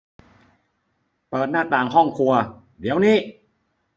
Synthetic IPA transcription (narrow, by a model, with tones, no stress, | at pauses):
pɤː˨˩t̪̚naː˥˩t̪aː˨˩ŋɦɔ˥˩ŋkʰu˧ɐ | d̪i˨˦əwniː˥˩